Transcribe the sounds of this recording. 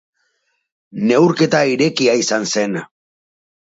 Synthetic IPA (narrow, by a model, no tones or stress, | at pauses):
ne̞wɾke̞t̪aiɾe̞kiaisanse̞n